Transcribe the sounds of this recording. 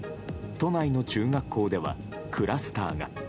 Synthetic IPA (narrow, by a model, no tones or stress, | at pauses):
t̪o̞naino̞t͡ɕɨːŋakːo̞ːd̪e̞βa̰ | kʰɯ̟ɾʔasɨ̥t̪a̰ːɡa̰